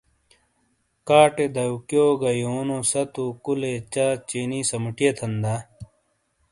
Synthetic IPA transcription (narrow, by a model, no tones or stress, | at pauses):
kaːʈed̪ɐukjoːɡɐjoːnõsɐt̪ukulet͡ɕaːt͡ɕeːniːsɐmʈijet̪ʰɐnd̪a